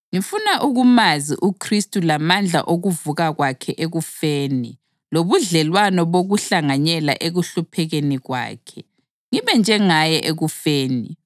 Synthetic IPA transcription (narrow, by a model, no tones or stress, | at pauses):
ŋifunaʔuɣumaziʔukʰristʼulamand͡ɮʱa̰ʔoɣuvuɣaɣwakʰɛʔeɣufeːni | loβuɮɛlwanɔβoɣuɬaŋaɲɛla̰ʔeɣuɬupʰɛɣeniɣwa̰ːkʰɛ | ŋiβɛnd͡ʒʱɛŋajɛʔeɣufeːni